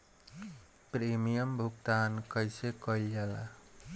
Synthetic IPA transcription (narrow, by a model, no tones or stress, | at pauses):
pɾemijəmbʱuk̚t̪ankʌjsekʌild͡ʒala